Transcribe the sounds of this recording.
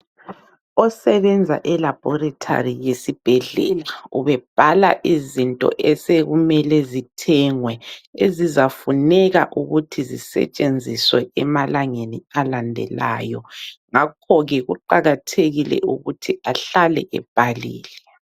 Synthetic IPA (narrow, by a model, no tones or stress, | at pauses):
ɔsɛβɛnd͡zʱa̰ʔɛlab̥ʱɔratʰa̰rijesib̥ʱɛɮɛ̰laṵβɛb̥ʱala̰ʔizintʼɔ̰ʔɛseɣumɛlɛzitʰɛŋwɛezizafunɛɣa̰ʔuɣutʰizisɛ̰t͡ʃʼend͡zʱiswɛ̰ʔɛmalaŋenialandʱɛ̰la̰ːjɔŋak̚ʰɔɣɛɣuǃaɣatʰeɣilɛ̰uɣutʰiaɬalɛ̰ʔɛ̰b̥ʱalḭːlɛ